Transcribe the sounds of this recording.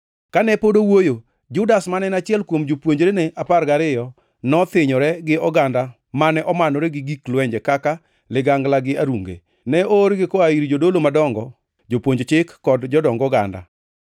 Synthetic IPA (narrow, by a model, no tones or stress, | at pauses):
kanɛpodowojo | d͡ʒʊdasmanɛnat͡ʃɪɛlkwomd͡ʒopwoɲd͡ʒɾenɛʔaparɡaɾɪjɔ | nɔt̪ɪɲɔɾɛɡɪɔɡanda | manɛʔɔmanoɾɛɡɪɡiklwɛɲd͡ʒɛkaka | lɪɡaŋɡlaɡɪaɾuŋɡḛ | nɛoɾɡɪkɔaiɾid͡ʒodolomadɔŋɡɔ | d͡ʒopwoɲd͡ʒt͡ʃɪkːɔdd͡ʒɔdɔŋɡɔɡa̰nda̰